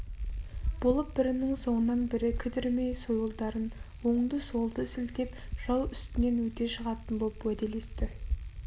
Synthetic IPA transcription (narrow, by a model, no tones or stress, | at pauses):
b̥o̞lˠəp̚bɪɾɪnɪŋso̞ɴənːɑnbɪɾɪkʲʰʏd̪ɪɾme̞jsojʊlˠd̪ɑɾənwo̞ɴd̪əso̞lˠd̪əɪsɪlt̪e̞pʒ̥ɑwʏst̪ɪne̞nwɵt̪e̞ʃəʁɑt̪ənbo̞lˠəpwæd̪e̞le̞st̪ɪ